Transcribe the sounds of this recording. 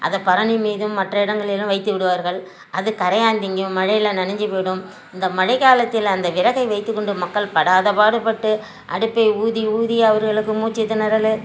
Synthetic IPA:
ʔɐ̰ðɐpːɐɾɐɳimiːðɯmːɐʈrɐɪɽɐŋɡɐɭɪlɯ̃ʋɐɪt̪ːɯʋɪɽɯʋaːɾɣɐɭ | ʔɐðɯkɐɾɐjaːnd̪ɪŋɡjɯmːɐɻɐjɪlɐnɐnɐɲd͡ʒipoːɽɯm | ɪnd̪ɐmɐɻɐɪkaːlɐt̪ːɪlɐnd̪ɐʋɪɾɐɣɐɪʋɐɪt̪ːɯkːɔɳɖɯmɐkːɐɭpɐɽaːðɐpaːɽɯpːɐʈːɯ | ʔɐ̰ɽɯpːɐɪuːðiuːðiɐʋɐɾɣɐɭɯkːɯmuːt͡ʃːɪt̪ːɯnɐɾɐlɯ

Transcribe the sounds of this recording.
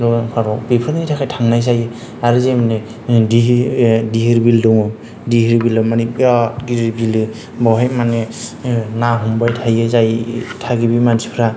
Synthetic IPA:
ɔŋpʰaɾɔbepʰɾaɡinitʰakʰajtʰaŋnajs̬ajɯ | aɾɯzemane | diɦdiɦiɾbildɔŋɯ | dihiɾbildɔmanibat̚ɡiɾiɾbilɯ | bɔwɦajmane | naɦumbajtʰajɯzajtʰaɡibimansʰi̥pʰɾa

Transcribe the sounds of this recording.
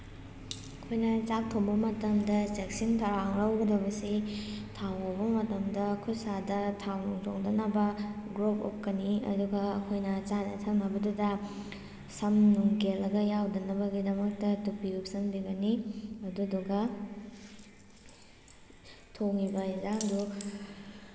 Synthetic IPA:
ɐkʰojnɐt͡ʃap̚tʰoŋbɐmɐtɐmdɐt͡ʃek̚sintʰɐɾaŋɾɐwɡɐdɐbɐsitʰawobɐmɐtɐmdɐkʰusadɐtʰawnuŋtʰoŋdɐnɐbɐɡɾopo̰p̚kɐniɐ̰duɡɐɐkʰojnɐt͡ʃanɐ̰tʰɐŋnɐbɐdudɐ | sɐmnuŋɡelɐɡɐjawdɐnɐbɐɡidɐmɐk̚tɐtupiɾup̚sɐŋbiɡɐniɐduduɡɐ | tʰoŋibɐizaŋdu

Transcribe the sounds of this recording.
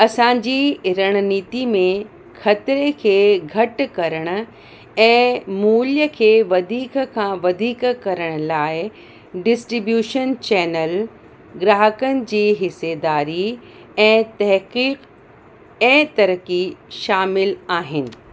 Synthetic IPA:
ɐsãːd͡ʑiːɾɐɽ̃niːt̪imẽ | xʰɐt̪ɾekʰeːɡʱɐʈkɐɾəɽ̃ʊ̆ | ɛ̃ːmuːljəkʰeːʋɐd̪ʱiːkkʰãːʋɐd̪ʱiːkkɐɾəɽ̃ʊ̆laːɪ | ɖɪsʈɾibjuːʃənt͡ɕɛːnəl | ɡɾaːɦəkənɪ̆d͡ʑiːɦɪsed̪aːɾi | ɛ̃ːt̪ɐɦqiːq | ɛ̃ːt̪ɐɾəkiʃaːmɪlaːɦɪnɪ̆

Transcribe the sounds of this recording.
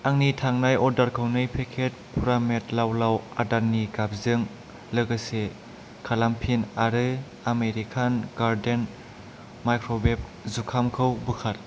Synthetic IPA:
aŋnitʰaŋnajɔdaɾkʰɯwnɯjpʰekʰet̚pʰuɾametlawlawadaɾniɡap̚zɯŋ | lɯɡase | kʰalampʰinaɾɯ | ameɾikʰanɡ̥aɾden | majkʰɾobep̚zukʰamkʰɯwbɯkʰat

